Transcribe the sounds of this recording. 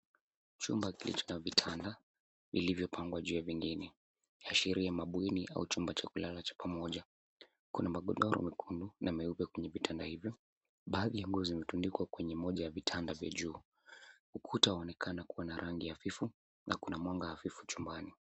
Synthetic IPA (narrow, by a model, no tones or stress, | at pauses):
t͡ʃṵmbakilḭt͡ʃɔ̥navitʰanda | vḭlivjɔpʰaŋɡwaʄujaviŋɡinɛ | aʃiɾiamaɓwiniʔa̰ut͡ʃumbat͡ʃakulalat͡ʃḁpʰamɔʄa | kunamaɠɔɗɔɾɔ̰mɛkʰundunʔamɛupɛkwɛɲɛvitʰandahivjɔ | ɓaːðijaŋɡuziimɛtundikwakwɛɲɛmɔʄajavitʰandavja̰ʄuː | ukʰutaaɔnɛkʰanakuwanaɾʔaŋɡiafifu | nʔa̰kunamwaŋɡaafifu̥t͡ʃumbani